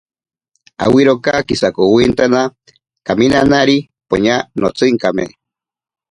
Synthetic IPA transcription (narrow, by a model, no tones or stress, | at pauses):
a̰wiɾokakisakowint̪ana | kaminanaɾi | po̰ɲanot͡sɨŋkamḛ